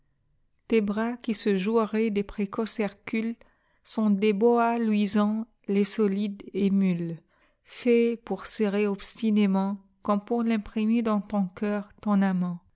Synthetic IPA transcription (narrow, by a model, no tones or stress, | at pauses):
t̪ebʁakʲisəʒuʁɛd̪epχekɔsɛʁkʲyl | sɔ̃d̪eboalwizɑ̃ | lesɔlid̪emyl | fɛpuʁseʁeɔpst̪inemɑ̃ | kɔ̃mpuʁlɛ̃pχimed̪ɑ̃t̪ɔ̃kœːʁt̪ɔ̃namɑ̃